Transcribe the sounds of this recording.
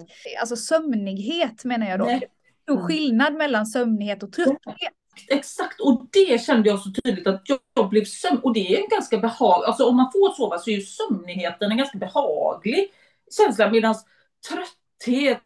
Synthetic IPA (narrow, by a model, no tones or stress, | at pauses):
a̰ls̬ɔsœmnɪɡɦeːt̪meːnaɾjɑːd̪o | t̪uːɧɪlnad̪mɛlːansœmnɪheːt̪ɔt̪ʰɾœhe | t̪ɛksakt̪ɔd̪ɛɕɛnd̪əjɑːɡsɔt̪ʰyːd̪lɪɡ̚t̪at̪jɑːɡblɪvsœmɔd̪ɛæɾjɛnɡanskabɛhɑːɡalsɔɔmːanfoːɾt̪soːvasɔɛɾjɵsœmnɪɡheːt̪ənɛnɡanskabɛhɑːɡlɪɡ | ɕɛnslameːd̪ans | t̪ʰɾœt̪ː | heːt̪